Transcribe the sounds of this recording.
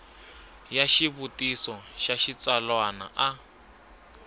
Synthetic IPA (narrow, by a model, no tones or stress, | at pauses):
jaʃiβutʼisɔʃaʃit͡salwana̰ʔa